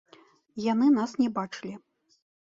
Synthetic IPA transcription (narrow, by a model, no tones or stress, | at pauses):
janɨnasnʲɛbat͡ʂɨlʲi